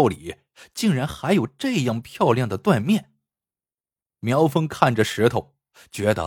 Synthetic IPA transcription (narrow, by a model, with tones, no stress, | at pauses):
ʊli˨˩˦ | t͡ɕi˥˩ŋɻa˧˥nxa˧˥ɪjo˨˩ʊʈ͡ʂɤ˥˧jɑ˥˩ŋpʰjɑ˥˧ʊljɑ˥˩ŋd̪ə˩t̪wa˥˧nmjɛ˥˩n | mjɑ˧˥ʊfə˥ŋkʰa˥˩nʈ͡ʂə˩ʂɻ̩˧˥t̪ʰo˨˩ʊ | t͡ɕɥɛ˧˥d̪ə̰˧